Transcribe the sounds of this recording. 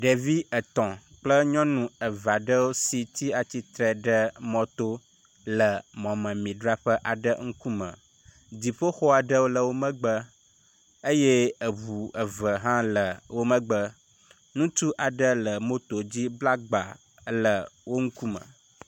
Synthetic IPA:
ɖe˨vi˦ə˨t̪ɔ̃˨ | k͡plə˦ɲɔ̃˦nũ˨ə˨va˨ɖə˦wo˦si˨t̪i˦a˨t͡ɕi˦t̪ɾə˨ɖə˦mɔ̃˨t̪o˦ | lə˨mɔ̃˨mə̃˨mĩ˨ɖɾa˦ɸə˦ʔa˨ɖə̰˦ŋ̩˦ku˦mə̰̃˨ | d̪i˨ɸə˦xo˦a˨ɖə˦wo˦lə˨wo˦mə̃˦ɡ͡bə˦ | ə˦je˦ə˨βu˨ə˨və˨ɦã˦lə˨wo˦mə̃˦ɡ͡bə˦ | nũ˦t͡ʃu˦ʔa˨ɖə˦lə˨mo˦t̪o˨d͡ʑi˦bla˦ɡ͡ba˨˦ | lə˨wo˦ŋ̩˦ku˦mə̰̃˨

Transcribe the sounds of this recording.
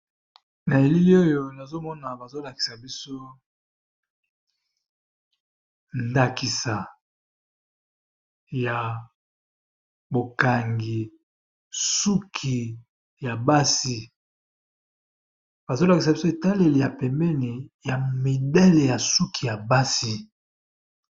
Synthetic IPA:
na˨e˨li˦li˦o˦jo˨na˨zo˦mɔ˦na˨ba˨zo˦la˨ki̥˨sa˨bi˦so˦ | nda˦ki˨sa˨ | ja˨ | bo˨ka˨ŋɡi˨ | su˦kʰi˨ | ja˨ba˦si˦ | b̥a˨zo˦la˨ki˨sa˨bi˦so˦e˨ta˦le˦li˨ja˨pɛ˨mbɛ˦ni˨ja˨mi˨dɛ˦le˨ja˨su˦kʰi˨ja˨ba˦si˦

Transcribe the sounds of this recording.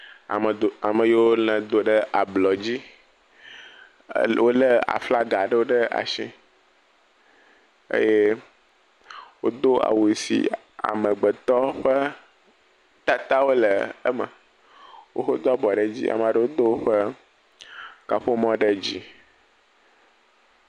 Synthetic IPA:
a˨mə˨jo˦wo˦lɛ̃˨d̪o˨ɖə˦ʔa˨blɔ˨d͡ʑi˦ | wo˦lə˦a̰˨fla˦ɡa˨ɖə˦wo˦ɖə˦a̰˨ʃḭ̃˦ | ḛ˦je˦ | wo˦d̪o˦a̰˨wu˨sḭ˨ | a̰˨mə̃˨ɡ͡bə˨t̪ɔ˦ɸə˦ | t̪a˦t̪a˦wo˦lə˨ə̰˦mə̰˨ | wo̰˦xo˦d̪ɔ˦bɔ˨ɖə˦d͡ʑḭ˦ʔa̰˨m˨a˨ɖə˦wo˦d̪o˦wo˦ɸə˦ | ka˨ɸo˦mɔ̃˦ɖə˦d͡ʑi˦

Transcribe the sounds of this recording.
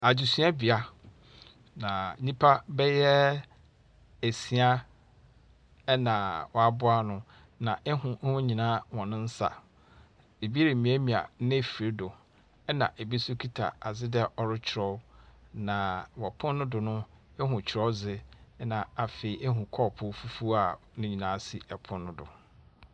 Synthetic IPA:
a˨d͡ʑi˨sɥa˦bi˨a˦ | nã˨nĩ˦pʰa˦bɛ˦jɛ˦ | æ˨si˨˦a˦ | ɛ˦nã˨wɔ˨a˨bʊ˦a˦nʊ̃˦ | nã˨ʔɛ˦hʊ̃˨˦hʊ̃˦ɲĩ˨nã˦wɔ̃˨nʊ̃˦n̩˦sa̰˨ | e˨bi˦e˦ɾe˨mĩ˨˦æ˦mĩ˨a̰˨˦nɪ̃˦˨fi˨ɾe˦dʊ˨ | ɛ˦nã̰˨ʔe˨bi˦su˦kʰi˦tʰa̰˨a˨zɪ˦dɛ˦ʔɔ˨ɾɪ˦t͡ɕʰɪ˨ɾɔ˦nã˨wɔ˨pʰʊ̃˦nːʊ̃˦dʊ˨nʊ̃˦ | ɛ˦ɦʊ̃˨t͡ɕʰɪ˨ɾɔ˦zɪ˦nã˨a˨fe˨i˨ʔɛ˦ɦũ˨kʰɔ˦˨pʰʊ˦fu˦fu˦a˨ | nʊ̃˦ɲĩ˨nãː˨˦si˨ʔɛ˨pʰʊ̃˦nːʊ̃˦dʊ̰˨

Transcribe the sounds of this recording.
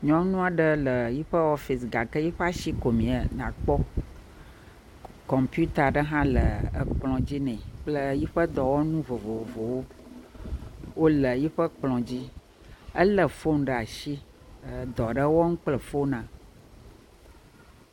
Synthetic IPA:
ɲɔ̃˦nũ˦a˨ɖə˦lə˨ji˦ɸə˦ɔ˦fi˨sɡa˨kə˦ji˦ɸə˦a˦ʃi˦ko˨mĩ˨ə˨nã̰˨k͡pɔ˦ | kɔ˨mpju˦t̪a˨ɖə˦ɦã˦lə˨ə̰˨k͡plɔ̃˨d͡ʑi˦nɛ̃˨k͡plə˦ji˦ɸə˦d̪ɔ˨wɔ˦nũ˦vo˨vo˨o˨vo˨wo˦ | wo˦lə˨ji˦ɸə˦k͡plɔ̃˨d͡ʑi˦ | ə˦lə˨fo˦n˨ɖə˨a˨ʃi˦ | ə˨d̪ɔ˨ɖə˦wɔ˦ŋũ˦k͡plə˨fo˦nã˨

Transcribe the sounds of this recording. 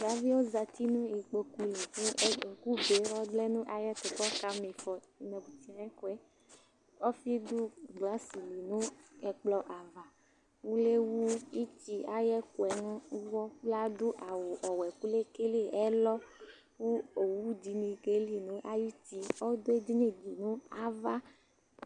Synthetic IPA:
ɡa˦vi˦wo˦za˨t̪i˦nũ˦i˨k͡po˨ku˦li˨ki˦˨ku˦be˨˦wɔ˦ɖlɛ˦nũ˦ʔa˨jɛ˦t̪o˨kɔ˦ka˦me˨fɔ˨nɛ̃˨bu˨t̪i˨˦ã˨˦ɛ˦ku˦ɛ˦ | ɔ˦fi˦d̪u˦ɡla˦si˨li˨nũ˦ɛ˨k͡plɔ˨˦ʔa˨va˨ | wu˦le˦wu˦i˦ti˦a˨jɛ˦ku˨ɛ˨nũ˦u˦wɔ˦k͡pla˦d̪o˦ʔa˨wo˨ʔɔ˨wɛ˨ku˦le˦ke˦le˦ɛ˦lɔ˦ | ku˦o˨wu˦d͡ʒi˨nĩ˨ke˦li˨nũ˦ʔa˦ji˦ti˦ɔ˦d̪o˦e˦d̪i˦ɲe˦d͡ʒi˨nũ˦a˨va˦

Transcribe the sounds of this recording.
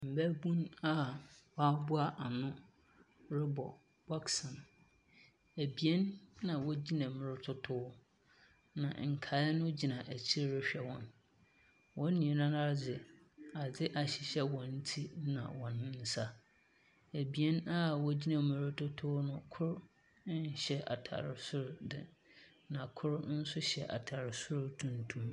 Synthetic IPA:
m̩˨bæ˦bũ˦na˦wɔ˦a˦bʊ˦a˦ʔa˨nʊ̃˦ | ɾɪ˦bɔ˨ | ba˦ksɔ̃˨n | æ˨bi˨ɛ˦nːã˨wɔ˦d͡ʑi˦nã˨mɪ̃˨ɾɪ˦tʰʊ˦tʰʊ˦ | nã̰˨ŋ̩˨kʰa˨˦ɛ˦nʊ̃˦d͡ʑi˨nã˨ʔæ˨t͡ɕʰi˦ɾɾɪ˦ɕᶣɛ˨wɔ̰̃˨n | wɔ̃˦nː˦ĩ˨nã˦na˦ɾd͡zɪ˨ | a˨d͡zɪ˦ʔa˨ɕɪ˨ɕɛ˦wɔ̃˨n̩˦tʰi˦nã̰˨wɔ̃˨ñ˦n̩˦sa˦ | æ˨bi˨ɛ˦na˦wɔ˦d͡ʑi˦nã˨mɪ̃˨ɾʊ˦tʰʊ˦tʰʊ˦nʊ̃˨kʰʊ˦ɾ | n˦ɕɛ˦ʔa̰˨tʰa̰˨ɾɪ˨sʊ˦ɾdɪ̰˨ | nã˨kʰʊ˦ɾn̩˦sʊ˦ɕɛ̰˨ʔa̰˨tʰa˨ɾɪ˨sʊ˦ɾtʰũ˨n˨tʰũ˦m

